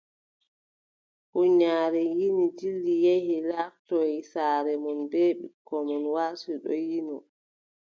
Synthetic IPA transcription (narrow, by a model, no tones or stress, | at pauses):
huɲaːɾɛjinid͡ʒilːijehilaːftɔisaːɾɛmɔnbeːɓḭkʰːɔmɔnwaːsuɗɔ̰jinɔ